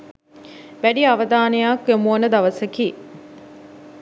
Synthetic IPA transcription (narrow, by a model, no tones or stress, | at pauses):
ʋæɖiaʋəd̪aːnəjakʋemuwənəd̪aʋəsəki